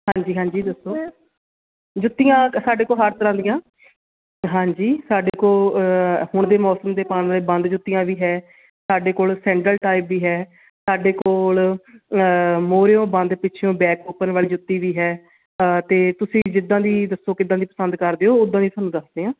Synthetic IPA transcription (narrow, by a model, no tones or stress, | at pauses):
ɦãːɲd͡ʒiːɦãːɲd͡ʒiːd̪əsːoː | d͡ʒʊt̪ːijãːsaːɖeːkoːlɦəɾt̪əɾãːd̪ijãː | ɦãːd͡ʒiːsaːɖeːkoː | hʊɳd̪eːmɔːsəmd̪eːpaːnʋaːleːbə̃nd̪d͡ʒʊt̪ːijãːʋiːɦɛː | saːɖeːkoːlsɛ̃ːɳʈəlʈaːɪbʋiːɦɛː | saːɖeːkoːl | moːɾeːõːbə̃nd̪pɪːt͡ʃʰjõːbɛːkoːpənʋaːliːd͡ʒʊt̪ːiːʋiːɦɛː | t̪eːt̪ʊsĩːd͡ʒɪd̪ːãːd̪iːd̪əsːoːkɪd̪ãːd̪iːpə̥sənd̪kəɾd̪eːoːʊd̪ãːd̪iːt̪ʰaːnũːd̪əsd̪eːɦãː